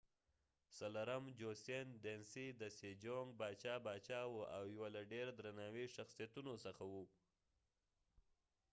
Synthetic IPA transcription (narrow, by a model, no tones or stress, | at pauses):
salaɾamd͡ʒosend̪ensid̪əsed͡ʒoŋɡ̚bɑt͡ʃɑbɑt͡ʃɑwoa̰wjwalaɖeɾd̪ɾanɑwiʃaxsijat̪unosəxawu